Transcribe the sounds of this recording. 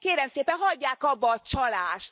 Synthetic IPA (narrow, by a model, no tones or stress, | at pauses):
keːɾɛmseːpɛnɦɒɟːaːkɒbːɒːt͡ʃɒlaːʃt̪